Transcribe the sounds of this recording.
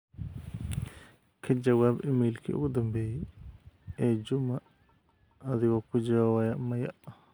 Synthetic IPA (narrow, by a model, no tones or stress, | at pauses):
kʰɐd͡ʒɐwaːbɪmiːlkʰḭːʊ̰ɣʊd̪ɐmbɛːjɛ | ɛːd͡ʒʊmɐ | ɐðɪɣɔkʰʊd͡ʒɪɾɔwɐjɐmɐjɐ̰ʔ